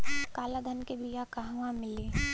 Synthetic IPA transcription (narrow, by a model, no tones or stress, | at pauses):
kaːlad̪ʱɐnkebʱijakaɦwãmɪliː